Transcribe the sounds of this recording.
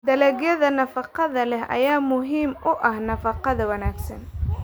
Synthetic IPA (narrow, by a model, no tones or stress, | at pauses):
d̪ɐlɛɡjɐðɐnɐfɑqɑðɐlɛɦʔɐ̰jaːmʊɦiːmʊʔɐhnɐfɑqɑðɐwɐnaːɡsɐ̰n